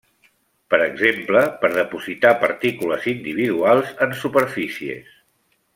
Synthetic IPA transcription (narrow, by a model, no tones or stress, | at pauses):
pəɾəɡzempləpəɾðəpuzit̪apəɾt̪ikuləzind̪iβ̞iðualˠzənsupəɾfisiḛs